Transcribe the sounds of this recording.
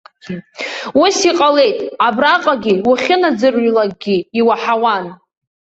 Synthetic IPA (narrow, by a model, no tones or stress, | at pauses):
usiqʼale̞jtʼabraqʼaɡʲiwaχʲɪnad͡zɨrlak̚ʼɡʲiiwaħawan